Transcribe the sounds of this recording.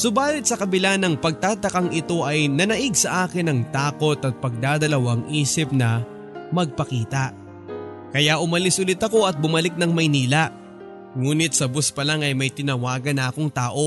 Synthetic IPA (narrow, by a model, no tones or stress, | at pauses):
sʊbaːlɪt̪̚sɐkɐbɪlanɐŋpɐɡ̚t̪aːt̪ɐkɐŋɪt̪o̞ʔɐjnɐnɐʔɪɡsɐʔaːkɪnːɐŋt̪aːko̞t̪ɐt̪̚pɐɡ̚d̪aːd̪ɐlɐwaŋʔiːsɪp̚nɐ | mɐɡ̚pɐkiːt̪ɐʔ | kɐjaʔʊmɐlɪsʔʊlɪt̪ɐko̞ɐt̪̚bʊmɐlɪk̚nɐŋmɐjniːlɐʔ | ŋuːnɪt̪̚sɐbospɐlaŋɐjmɐjt̪ɪnɐwaːɡɐnːɐɐko̞ŋt̪aːʔo̞